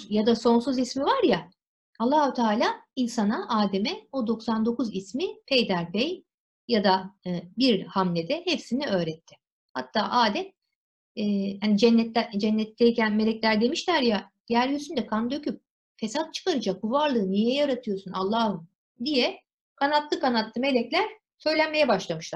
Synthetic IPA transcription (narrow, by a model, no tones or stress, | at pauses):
jad̪aso̞nsuzismivaɾja | alˠːaːhut̪ʰaːlʲaːinsanaʔaːd̪e̞mɛod̪o̞ksand̪o̞kuzismipʰejd̪æɾpɛj | jad̪abiɾhamlʲed̪ɛhepsiniø̞ːɾɛt̪ʰːɪ̥ | ha̰t̪ʰːaːʔaːd̪ɛm | ɛːhanid͡ʒɛnːɛt̪d͡ʒɛnːɛt̪lʲɛicænme̞lʲɛcʲlʲæɾd̪e̞miʃlʲæɾja | jæɾlʲijøsynd̪ɛkʰand̪ø̞cʰyp̚ | fe̞sat̪̚t͡ʃʰɯ̥kaɾɯd͡ʒakʰuvaɾlˠɯːnijɛjɛjaɾat̪ʰɯjo̞sunalˠːaːhɯm | d̪ijɛ | kʰanat̪lˠɯkanat̪lˠɯme̞lʲɛclʲæɾ̥ | sø̞jlʲænme̞jɛbaʃlˠamɯʃlˠaɾ